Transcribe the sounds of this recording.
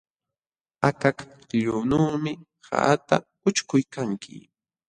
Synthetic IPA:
akak | ʎʊnuːmɪ | ha̰ʔt̪a̰ | ʊt͡ʃkʊjkaŋkʰɪ̰

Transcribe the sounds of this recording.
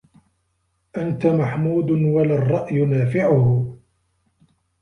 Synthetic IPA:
ʔant̪amaħmuːd̪nwalarˤːɑʔjʊnaːfɪʕʊh

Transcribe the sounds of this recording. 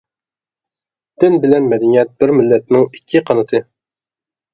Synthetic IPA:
d̪̥ɪnbɪlɛnmɛd̪ɛnijɛt̪̚bɪɾmɪlːɛt̪̚nɪŋikʲʰːiqʰɑnɨt̪ʰɨ

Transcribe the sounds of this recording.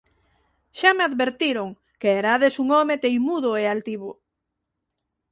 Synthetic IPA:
ʃameaðβeɾt̪iɾoŋ | keeɾaðesuŋɔmet̪ejmuðoealt̪iβo

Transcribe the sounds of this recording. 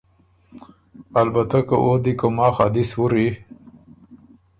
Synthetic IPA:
albat̪akəʔod̪ikomɑːxa̰d̪ɪswuɾi

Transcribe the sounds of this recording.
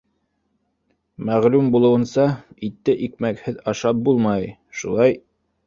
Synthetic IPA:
mæʁlumbulˠɤ̆wɤ̆nsɑit̪ːɘʔik̚mækhɘðɑʃɑp̚bulˠmɑj | ʃulˠɑj

